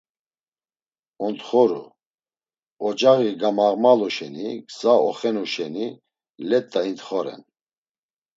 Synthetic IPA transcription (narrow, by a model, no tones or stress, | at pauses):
ɔnt̪χɔɾṵ | ɔt͡ʃʼaɣiɡamaʁmalɔʃɛniɡzaɔχɛnuʃɛni | lɛt̪ʼːaint̪χɔɾɛ̰n